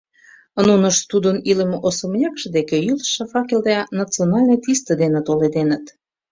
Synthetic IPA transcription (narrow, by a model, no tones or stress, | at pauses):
ənunəʃt̪ud̪ənilə̆meʔosə̆mjɑkʃə̆d̪ekejylˠəʃə̆fɑkeld̪ænɑt͡sionɑlʲnɤ̆t̪ist̪ə̆d̪enĕt̪oled̪enət̪